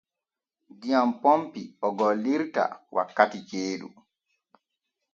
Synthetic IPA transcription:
dijampompiɔɡɔlːiɾta̰wʔa̰kːatit͡ʃeːɗṵ

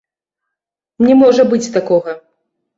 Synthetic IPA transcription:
nʲɛmɔʐɐbɨt͡sʲt̪akɔɣɐ

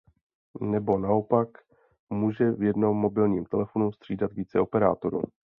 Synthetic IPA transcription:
nɛbo̞nao̞pak | muːʒɛvjɛdno̞mːo̞bɪlɲiːmt̪ɛlɛfo̞nust̪r̥iːdat̪viːt͡sɛo̞pɛɾa̰ːt̪o̞ɾṵ

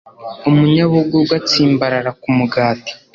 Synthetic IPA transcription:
umuɲaβuɡuɡwat͡siːmbaɾaɾakumuɡaːti̥

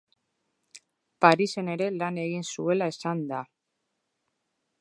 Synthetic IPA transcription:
paɾise̞ne̞ɾe̞lane̞ɣ̞insue̞lae̞sand̪a

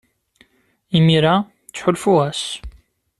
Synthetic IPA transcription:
imiɾa | t͡sːħʊlfuæs

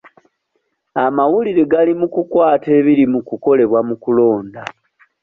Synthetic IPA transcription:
amawuliɾeɡalimukukwaːte̞ːβiɾimukuko̞le̞βwamukulo̞ːnda

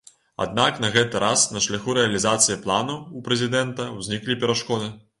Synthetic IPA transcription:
a̰d̪naknɐɣɛt̪ɨɾʔasnɐʂlʲaxuɾɛɐlʲizat̪sɨjiplˠanuːpɾɛzʲid̪ɛnt̪ɐwzʲnʲiklʲipʲɛɾaʂkɔd̪ɨ

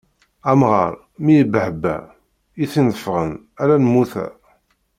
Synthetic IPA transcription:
æmʁə̰ɾ | mijəbəħəbːæ̰ | iθinðəfʁən | æɾænəmːuθæ̰

